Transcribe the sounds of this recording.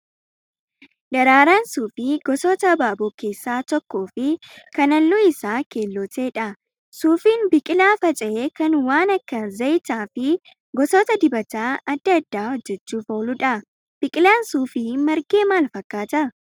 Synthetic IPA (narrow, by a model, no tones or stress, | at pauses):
ᶑɐɾaːɾaːnsuːfɪɡ̥ɔsoːt̪ɐbaːbɔːke̞ːsːaːt̪ɔkːo̞ːfɪkɐnɐlːʊɪsaːke̞ːlːɔːt̪e̞ːᶑɐ | suːfiːnbɪkʼɪlaːfɐt͡ʃʼɐeːkɐnwaːnɐkːɐzɐjt̪aːfɪ | ɡɔsoːt̪ɐd̪ɪbɐt̪aːɐd̪ːɐd̪ːaːhɔd͡ʒːɛt͡ʃːuːfoːlʊᶑɐ | b̥ɪkʼɪlaːnsuːfɪmɐɾɡe̞ːmaːlfɐkʼːaːt̪ɐ